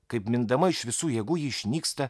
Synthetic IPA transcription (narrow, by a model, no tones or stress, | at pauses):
kɐɪpmʲɪnd̪ɐmɐɪʃʋʲɪsuːjɛːɡuːjiʃʲnʲiːkst̪ɐ